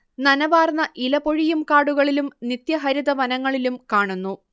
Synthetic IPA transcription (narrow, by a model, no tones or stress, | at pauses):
nɐnɐʋaːrnːɐʔilɐpo̞ɻijumkaːɽuɣɐɭilumnit̪jɐɦɐɾiðɐʋɐnɐŋːɐɭilumkaːɳunːu